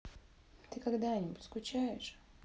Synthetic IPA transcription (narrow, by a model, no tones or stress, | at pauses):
t̪ɨkɐɡd̪anʲɪbʊtʲskʊt͡ɕæjɪʂ